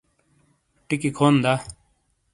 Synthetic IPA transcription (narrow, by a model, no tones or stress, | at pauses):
ʈikikʰoːnd̪aː